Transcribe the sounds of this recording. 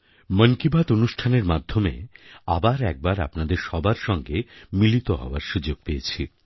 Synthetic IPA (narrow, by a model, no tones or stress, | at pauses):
məŋkibʱat̪onuʃʈʰaneɾmad̪ʱːomḛabaɾɛk̚baɾa̰pnad̪eɾʃɔbaɾʃɔŋɡemilit̪oɦɔ̰oaɾʃud͡ʑoɡ̥̚pejet͡ɕʰi